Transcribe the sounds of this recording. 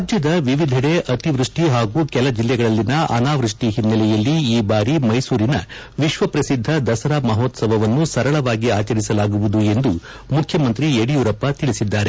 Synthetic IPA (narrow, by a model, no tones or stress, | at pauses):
ɾaːd͡ʒjɐd̪ɐʋiʋid̪ʱiɽeʔɐt̪iʋɾuʂʈiɦaːɡuːkɛlɐd͡ʒilːɛɡɐɭɐlːinɐʔɐ̰naːʋɾuʂʈiɦinːɐlɛjɐlːiiːbaːɾimɐjsuːɾinɐ | ʋiʃʋɐpɾɐsid̪ʱːɐd̪ɐsɐɾaːmɐɦoːt̪sɐbɐʋɐnːusɐɾɐɭɐʋaːɡiaːt͡ʃɐɾisɐlaːɡuʋud̪ue̞nd̪u | mukʰjɐmɐnt̪ɾieɽijuɾɐpːɐt̪iɭisid̪ːaːɾe